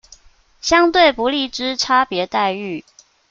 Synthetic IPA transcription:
ɕjɑ˥ŋt̪we˥˩ɪpu˧˥li˥˩ʈ͡ʂɻ̩˥ʈ͡ʂʰa˥pjɛ˨˧˥t̪a˥˧ɪy˥˩

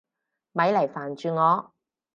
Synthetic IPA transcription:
mɐ˨˥jlɐ˨˩jfaː˨˩nt͡ʃyː˨˧ŋɔː˨˧

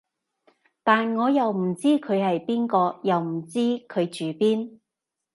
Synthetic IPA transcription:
t̪aː˨nŋɔː˨˧jɐ˨wm̩˨˩t͡siː˥kʰɵ˨˧ɥhɐ˨jpiː˥nkɔː˧jɐ˨wm̩˨˩t͡siː˥kʰɵ˨˧ɥt͡ʃyː˨˧piː˥n

